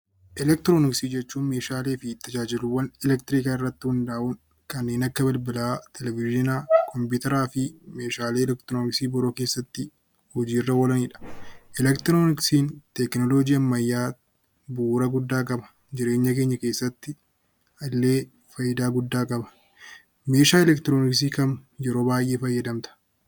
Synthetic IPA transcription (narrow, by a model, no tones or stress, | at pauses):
ʔɛlɛk̚t̪ɾoːnɪksiːd͡ʒɛt͡ʃːuːnme̞ːʃaːleːfɪt̪ːɐd͡ʒaːd͡ʒɪlʊwːɐnɛlɛk̚t̪ɪɾiːkaːɪrːɐt̪ːɪhʊnd̪aːʔʊn | kɐnːeːnɐkːɐbɪlbɪlaːt̪ʰɛlɛvɪd͡ʒɪnaːkʰɔmpʊːt̪ɐɾaːfɪme̞ːʃaːleːɛlɛkt̪ɾoːnɪksiːbɔɾoːke̞ːsːɐt̪ːɪ | hɔd͡ʒiːɪrːɐwɔlɐniːᶑɐ̥ʔɛlɛkt̪ɾoːnɪksiːnt̪ɛknɔlod͡ʒiːɐmːɐjːaː | buːɾɐɡʊd̪ːaːkʼɐbɐ̥ | d͡ʒɪɾe̞ːɲːɐkeːɲːɐke̞ːsːɐt̪ːɪ | ɐlːe̞ː | fɐjːɪd̪aːɡʊd̪ːaːkʼɐbɐ̥ | me̞ːʃaːɛlɛkt̪ɾoːnɪksiːkɐnjɛɾo̞ːbaːjʔe̞ːfɐjːɐd̪ɐmt̪ɐ̥